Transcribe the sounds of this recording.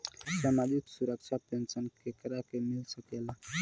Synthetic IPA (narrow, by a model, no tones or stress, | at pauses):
samad͡ʒiksuɾək̚t͡ʃʰapensənkekəɾakemilsəkela